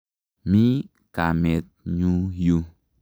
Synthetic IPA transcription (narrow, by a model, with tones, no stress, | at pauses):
mi˦ | ka˨me˨t̪̚ɲu˦ju˦